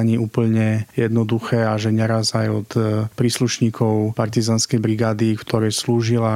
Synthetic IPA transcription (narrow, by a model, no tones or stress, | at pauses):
aɲiːʔuːpl̩ɲɛjɛd̪nɔd̪uxɛːaʒɛɲɛɾazajɔt̪pɾiːsluʃɲiːkʰɔʊpaɾt̪izaːnskɛjbɾiɡaːd̪ikt̪ʰɔɾɛːsluːʒila